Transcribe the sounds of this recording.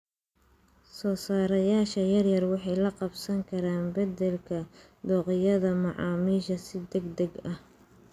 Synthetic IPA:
sɔːsaːɾɐjaːʃɐjɐrjɐrwɑħɑjlɐqɑbsɐŋkʰɐɾaːnbɐd̪ɛlkʰɐ | d̪ɔːqɪjɐðɐmɑʕɑ̰ːmiːʃɐsɪd̪ɛɡd̪ɐɡɐh

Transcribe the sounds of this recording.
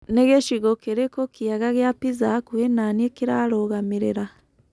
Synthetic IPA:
neɣeʃiɣokeɾekokiaɣaɣeapizakuhenaniekiɾaɾoɣamiɾeɾa

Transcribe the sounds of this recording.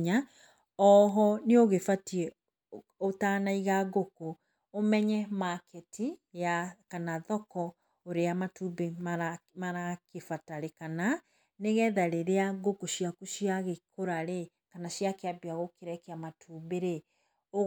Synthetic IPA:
ɲa | ɔɦɔneoɣefatiɛ | otaːnaiɣaɡoko | omɛɲɛmakʰɛtijakanaðɔkɔ | oɾeamatubemamaɾakefataɾekana | neɣɛðaɾeɾeaɡokoʃijakuʃiaɣekʰoɾaɾe | kanaʃiakeabiaɣokeɾɛkeamatubeɾe | o

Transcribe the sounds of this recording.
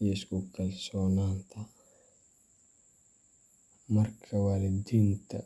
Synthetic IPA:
jɛskukʰɐlsɔːnaːnt̪ʰɐ | mɐrkʰɐwalɪd̪int̪ʰɐ

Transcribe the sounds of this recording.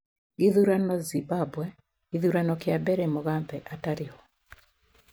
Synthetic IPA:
iðuɾanɔzibabwɛ | iðuɾanɔkɪabɛɾɛmɔɣabɛʔataɾɪhɔ

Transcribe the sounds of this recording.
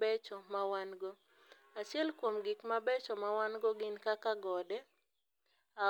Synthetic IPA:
bɛt͡ʃɔmawanɡɔ | at͡ʃjɛlkwomɡɪkmabɛt͡ʃɔmawanɡɔɡɪnkakaɡɔdɛ | a

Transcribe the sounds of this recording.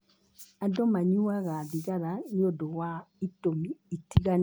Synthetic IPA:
adomaɲuaɣaðiɣaɾanɪodowaitomiːtiɣan

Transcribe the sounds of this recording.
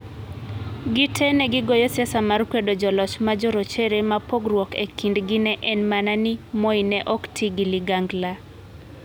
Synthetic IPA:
ɡɪtʰɛnɛɡɪɡojɔsjasamarkwedod͡ʒɔlɔt͡ʃmad͡ʒɔɾot͡ʃeɾemapoɡrwɔkekindɡɪnɛʔɛnmananimoinɛʔɔktʰiɡiliɡaŋɡla

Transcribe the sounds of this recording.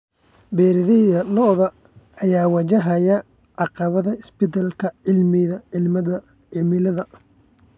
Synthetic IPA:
bɛːɾɪðɪjɐlɔðɐː | jaːwɐt͡ʃɐɦɐjɐ | ʕɑqɑβɐðɐɪsbɪt̪ʰɐlkʰɐʕɪlmɪðɐʕɪlmɐðɐ | ʕɪmɪlɐðɐ

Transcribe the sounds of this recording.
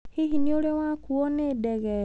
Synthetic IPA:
hiɦinioɾewãkuɔnedɛɣɛ

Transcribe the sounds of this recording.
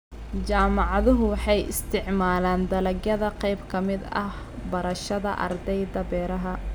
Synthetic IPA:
t͡ʃaːmɑʕɑðʊɦʊwɑħɑjɪ̰st̪ʰɪʕmaːlaːnd̪ɐlɐɡjɐðɐqɛjbkʰɐmɪd̪ɐ̰h | bɐɾɐʃɐðɐʔɐ̰rd̪ɛjd̪ɐbɛːɾɐɦɐ

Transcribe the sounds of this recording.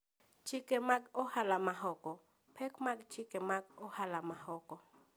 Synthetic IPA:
t͡ʃɪkemaɡɔhalamaɦɔkɔ | pʰɛkmaɡt͡ʃɪkemaɡɔhalamahɔkɔ

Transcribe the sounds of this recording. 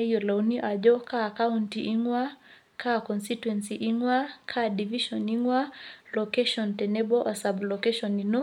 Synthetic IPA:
jɔlauniʔad͡ʒɔkaːkauntiʔiŋwa | kʰakɔnsituwɛnsiʔiŋwakʰadiviʃɔniŋwalɔkɛʃɔntɛnɛbɔʔasablɔkɛʃɔninɔ

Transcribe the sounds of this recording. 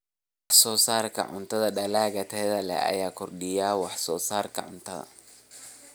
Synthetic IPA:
wɑħsɔːsaːrkʰɐ̰ʕʊ̰nt̪ʰɐðɐɖɐlaːɣɐt̪ʰɛːðɐlɛ̰ɐ̰jaːkʰɔrɖɪjaːwɑħsɔːsaːrkʰɐʕʊnt̪ʰɐðɐ̰

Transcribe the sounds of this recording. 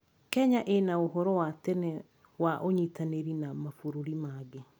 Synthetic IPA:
kɛɲaʔenaoɦɔɾɔwat̪ɛnɛ | waʔoɲitaneɾinamafoɾoɾimaɡe

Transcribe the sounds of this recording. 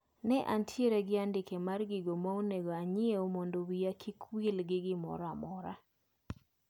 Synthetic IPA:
nɛʔantʰjeɾeɡɪandɪkemarɡɪɡomaoneɡoaɲɪeomondowijakʰikwilɡɪɡɪmɔ̰ɾamɔɾa

